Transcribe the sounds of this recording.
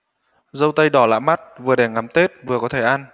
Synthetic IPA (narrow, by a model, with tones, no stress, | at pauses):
zə˧wt̪ə˧jɗɔ˧˩la̰ː˧˥jma˦˥t̚vɨ˨˩əɗɛ˨˩ŋa˨˦mt̪e˦˥t̚vɨ˨˩əkɔ˨˦t̪ʰe˧˩ʔa˧n